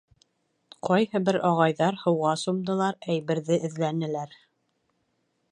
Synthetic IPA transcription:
qɒjhɤbɘɾɒʁɑjðɑɾhɤ̆wʁɑsŏmd̪ɤ̆lˠɑɾæjβɘ̆ɾðɘʔɘ̆ðlænɘ̆læɾ

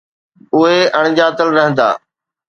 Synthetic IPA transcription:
ʊɦeʔɐɽ̃d͡ʑaːt̪əlɾɐɦə̃nd̪a̰ː

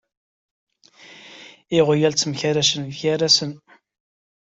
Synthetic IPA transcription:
iʁjælt͡sːməçæɾæsənðçæɾæsən

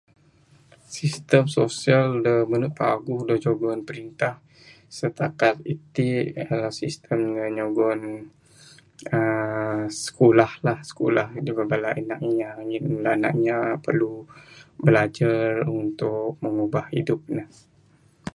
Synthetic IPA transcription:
sist̪əmsosialdəmənut̪̚paɡudəd͡ʒoɡɔnpəɾint̪ah | sət̪akat̪̚it̪iʔalasist̪ʰəmnəɲoɡɔn | ə | sə̥kolahlahsə̥kulahd͡ʒəbabalaʔənak̚ɲaɲlana̰kɲapərlubəlad͡ʒarunt̪ʊk̚məŋubahḭdʊp̚nəh

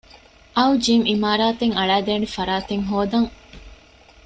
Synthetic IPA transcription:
ʔɐud͡ʒimimaːɾaːt̪eŋɐɭæːd̪eːnefɐɾaːt̪eŋɦoːd̪ɐŋ

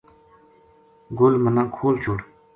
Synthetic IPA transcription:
ɡolmənaŋkʰolt͡ɕur

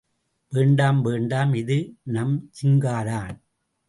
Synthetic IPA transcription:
ʋeːɳɖaːmʋeːɳɖaːmɪðɯnɐmt͡ʃɪŋɡaːɾaːn

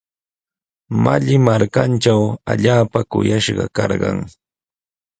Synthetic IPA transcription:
maʎɪmaɾkant͡ʃawaʎaːpakʊjaʃɢɑ̰kɑɾɢɑ̰ŋ

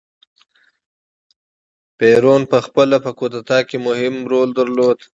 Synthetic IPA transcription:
peːɾonpəxpəlapəkot̪at̪ɑkemʊhɪmɾold̪əɾloːd̪

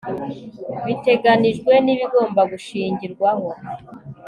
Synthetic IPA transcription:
βite̞ɡaniʒɡwe̞niβiɡo̞ːmbaɡuʃiːɲɟiɾɡwaɦo̞

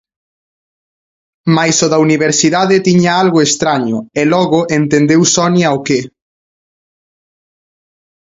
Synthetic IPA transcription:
majsoðauniβ̞eɾsiðaðet̪iɲaalɣʊest̪ɾaɲʊ̰elɔɣʊʔent̪end̪ewsɔnjaoke

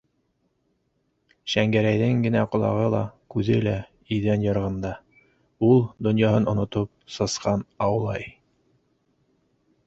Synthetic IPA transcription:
ʃæŋɡæɾæjðɘŋɡɘ̆næqŏlˠɑ̰ʁɤlˠɑ̰kʉðɘlæ | iðænjɤ̆ɾʁɤ̆nd̪ɑ | ulˠd̪ŏnjɑɦɤnŏnŏt̪op̚sɤ̆sqɑnɑwlˠɑj

